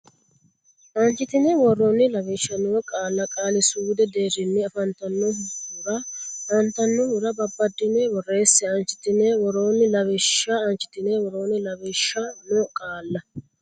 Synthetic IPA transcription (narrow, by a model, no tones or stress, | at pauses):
ʔɐnt͡ʃːɪt̪ɪnɛwɔronɪlɐβɛʃːɐnɔwɔkʼaːlːɐkʼaːlɪsuːd̪ɛd̪e̞ːɾɪnːɛɐfɐnt̪ɐnːɔɦuɾɐɐnt̪ɐnːɔhʊɾɐbɐbːɐd̪ːɪnɛwɔre̞ːsːɛɐnt͡ʃːɪ̥t̪ɪnɛwɔɾo̞ːnɪlɐβɛʃːɐɐnt͡ʃɪ̥t̪ɪnewɔɾo̞ːnɪlɐβɛʃːɐnɔkʼaːlːɐ